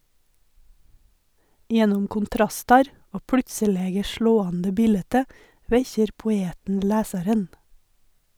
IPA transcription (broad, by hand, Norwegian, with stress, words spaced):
ˈjɛnʊm kʊnˈtɾɑstɑɾ ˈoː ˈpɽʉtsəˌleːɡə ˈʃɭoːɑndə ˈbiːlɛtə ˈʋɛçəɾ pʊˈeːtn̩ ˈlæːsɑɾən